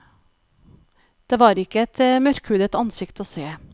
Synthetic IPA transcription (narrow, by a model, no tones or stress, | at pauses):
d̪̥eʋɑːɾɪkːəɛt̪mœɾkhʉːd̪ət̪ɑnsɪkt̪əɔseː